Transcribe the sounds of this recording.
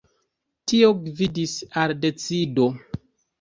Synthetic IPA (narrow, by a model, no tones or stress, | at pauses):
tio̞ɡvidisalde̞t͡sido̞